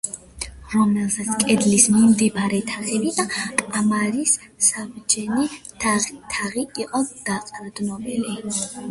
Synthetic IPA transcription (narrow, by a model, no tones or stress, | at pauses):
ɾɔmɛlˠsat̪sʰkʼɛd̪lismimd̪ibaɾɛt̪ʰaχɛbid̪akʼamaɾisːabd͡ʒɛnɛt̪at̪ʰaʁiiqʼɔd̪̥aqʼɾd̪nɔbɛli